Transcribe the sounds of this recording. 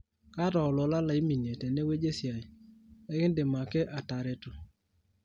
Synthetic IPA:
ka˦tɔ˨ʊ˨lɔ˨la˦la˨i˦mi˨ɲe˨tɛ˨ne˦we˦d͡ʒe˦sja˨ɪ˨ɛ˦kɪ˦ndɪ˨ma˨ke˦ʔa˨ta˨ɾe˦tʊ˨

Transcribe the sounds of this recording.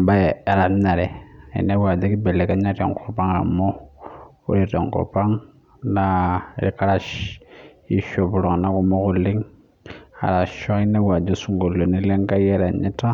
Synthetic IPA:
ba˦je˨a˨ɾa˨m˦na˨ɾɛ˨ḭ˨ne˦wa˨d͡ʒe˦ki˦be˨le˨ka˦ɲa˦to̰˨ŋ˨kʰo˨pa˦ŋa̰˨mo˦ | o̰˦ɾi˦˨to˨ŋko̰˨pa˦ŋ | na˦˨ɾi˨ka˦ɾa˨ʃ | i˦ʃo˨pu˨ɾo˨ŋ˨na˦ku˨mo˦ku˦li˦ŋ | a̰˨ɾa˨ʃo˦i˦ne˦wa˨d͡ʒo˦su˦ŋɡo˨lːo˨ni˦le˦ŋka˦je˦ɾa˨ɲi˦ta˦

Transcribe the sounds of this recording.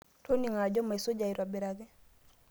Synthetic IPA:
tʰo˦ni˨ŋa˨d͡ʒɔ˦ma˨e˨so˦d͡ʒa˨i˨ɾwa˨bi˨ɾa˨ɡɪ˦

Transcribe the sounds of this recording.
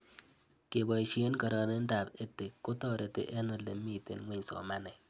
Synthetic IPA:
ke˨bɔ˨i˨ʃe˦nkɔ˨ɾɔ˨ne˦n̩˦da˨pe˦te˨kːʊ˦tɔ˦ɾe˨tḛ˨ʔe˦no˨lḛ˨˦mi˦˨tḛ˨nŋʷwe˦ɲsɔ̰˨ma˦nɛ˨

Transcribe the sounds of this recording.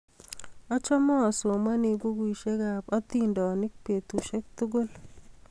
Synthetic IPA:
ɔ˦t͡ʃɔ˦mɔː˦˨so˨ma˦nɪ˨ɡo˦ɡu˨i˨ʃe˦ɡa˨pɔ˦t̪i˦ndɔ˨nɪ˦k̚pe˨t̪u˨ʃɛ˦k̚t̪ʊ˦ɡo˦l

